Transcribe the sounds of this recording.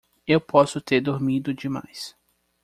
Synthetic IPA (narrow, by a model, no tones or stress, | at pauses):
ewpʰɔsʊt̪eɾd̪oɾmid̪ʊd͡ʒɪma̰js